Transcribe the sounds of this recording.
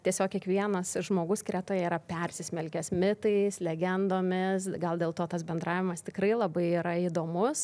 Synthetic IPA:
t̪ʲiɛsʲoːkʲiɛkʋʲiɛnɐsʒmoːɡʊsʲkʲɪɾʲæt̪oːjɛiɾɐpʲɛrʲsʲɪsʲmʲɛlʲkʲɛsmʲɪt̪ɐɪslʲɛɡʲɛnd̪oːmʲɪsɡɐlˠd̪ʲeːlˠt̪oːt̪ɐsbʲɛnd̪ɾɑːʋʲɪmɐst̪ʲɪkɾɐɪlˠɐbɐɪiːɾɐid̪oːmʊs

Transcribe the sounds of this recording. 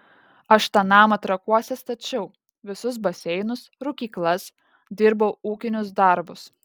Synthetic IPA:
ɐʃt̪ɑːnɑːmɐt̪ɾɐkuɔsʲɛst̪ɐt͡ʃʲɛʊ | ʋʲɪsʊs̬bɐsʲɛɪnʊsɾʊkʲiːklˠɐs | d̪ʲɪɾbɐʊuːkʲɪnʲʊsd̪ɐɾbʊs

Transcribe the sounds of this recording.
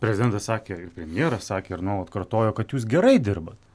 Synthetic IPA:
pʲɾʲɛzʲɪd̪ʲɛnt̪ɐssɑːkʲeːɪrpʲɾʲɛmʲɪjeːɾɐssɑːkʲeːɪɾnoːlˠɐt̪kɐrt̪oːjoːkɐt̪juːsɡʲɛɾɐɪd̪ʲɪɾbɐt̪

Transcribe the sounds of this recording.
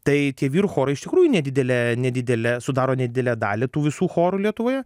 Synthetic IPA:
t̪ɐɪt̪ʲiɛʋʲiːɾuxoːɾɐɪɪʃt̪ʲɪkɾuːjʊnʲɛd̪ʲɪd̪ʲɛlʲænʲɛd̪ʲɪd̪ʲɛlʲɛsʊd̪ɑːɾoːnʲɛd̪ʲɪd̪ʲɛlʲæːd̪ɑːlʲɪt̪uːʋʲɪsuːxoːɾʊlʲiɛt̪ʊʋoːjɛ

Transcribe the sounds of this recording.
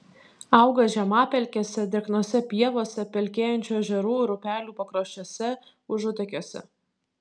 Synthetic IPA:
ɑˑʊɡɐʒʲɛmɑːpʲɛlʲkʲɛsʲɛd̪ʲɛknoːsʲɛpʲiɛʋoːsʲɛpʲɛlʲkʲeːjɛnʲt͡ʃʲuːʒʲɛɾuːɾʊpʲæːlʲuːpɐkɾoːʃʲt͡ʃʲosʲɛ | ʊʒʊt̪ʲɛkʲoːsʲɛ̰

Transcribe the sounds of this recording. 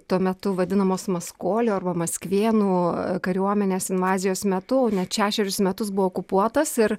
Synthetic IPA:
t̪uɔmʲɛt̪ʊʋɐd̪ʲɪnɐmoːsmɐskoːlʲoːɐrbɐmɐsʲkʋʲeːnuːkɐɾʲuɔmʲɛnʲeːsɪnʋɑːzʲɪjoːsmʲɛt̪ʊoːnʲɛt̪ʃʲæːʃʲɛɾʲʊsmʲɛt̪ʊsbʊʋoːkʊpuɔt̪ɐsɪɾ

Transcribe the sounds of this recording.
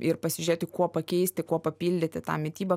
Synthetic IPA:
ɪɾpɐsʲɪʒʲʊɾʲeːt̪ʲɪkuɔpɐkʲɛɪsʲt̪ʲɪkuɔpɐpʲiːlʲd̪ʲɪt̪ʲɪt̪ɑ̰ːmʲɪt̪ʲiːbɐ

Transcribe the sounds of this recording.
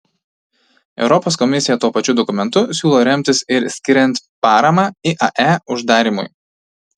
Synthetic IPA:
ɛ̰ʊɾɔpoːskɔmʲɪsʲɪjɛt̪uɔpɐt͡ʃʲʊd̪ɔkʊmʲɛnt̪ʊsʲuːlˠoːɾʲɛmʲt̪ʲɪsɪɾsʲkʲɪɾʲɛnʲt̪ʲpɑːɾɐmɑːiʔɐʔæʊʒd̪ɑːɾʲiːmʊ̰j

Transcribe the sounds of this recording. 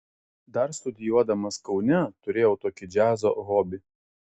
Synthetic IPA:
d̪ɐɾst̪ʊd̪ʲɪjuɔd̪ɐmɐskɒʊnʲɛt̪ʊɾʲeːjɛʊt̪oːkʲɪd͡ʒʲæːzo̰ːɣoːbʲɪ

